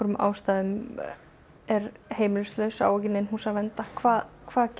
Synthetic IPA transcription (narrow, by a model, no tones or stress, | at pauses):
ɔɾʏmʔa̰ːwst̪aːðʏm | ɛɾheːjmɪlʏst̪lœɥsa̰ːwɛcɪnɪnɦuːsavɛnt̪akʰvaːðkʰv̥aːðc